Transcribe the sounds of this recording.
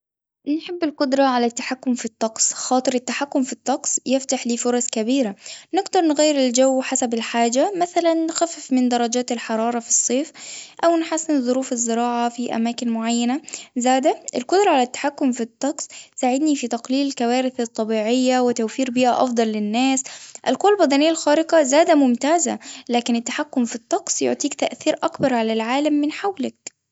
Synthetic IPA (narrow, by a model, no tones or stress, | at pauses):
nħɪbːɪlqʊd̪ɾˤɑʕalat̪ːḁħakːʊmfit̪ˤːɑqsˤxɑːt̪ˤɨɾɪt̪ːaħakːʊmfit̪ˤːɑqsjɪft̪aħliːfʊɾˤɑskabiːɾanɪɡd̪ɑɾˤnɣajːɪɾɪld͡ʒawːħasabɪlħaːd͡ʒamæθælanːxæfɪfmɪnd̪ɑɾˤːɑd͡ʒaːt̪ɪlħɑɾˤɑːɾˤɑfi̥sˤːeːfʔawnħasːɪnðˤʊɾuːfɪzːɪɾɑːʕafiʔa̰maːkɪnmʊʕajːanazaːd̪aʔɪlqʊd̪ɾˤɑʕalat̪ːḁħakːʊmfit̪ˤːɑqsˤsaʕɪd̪nifit̪ɑqliːlɪlkawaːɾɪθɨt̪ˤːɑbiːʕɪjːawɪt̪awfiːɾbiːʔa̰ʔɑ̰fd̪ˤɑlːɪnːaːsʔɪlqʊwːalbæd̪ɑnɪjːalxaːɾɪqɑzaːd̪amʊmt̪aːza̰laːkɪnɪt̪ːḁħakːʊmfit̪ˤːɑqsˤjʊ̰ʕt̪ˤiːkt̪aʔθiːɾʔakbɑɾˤʕalalʕaːlamːɪnħawlak̚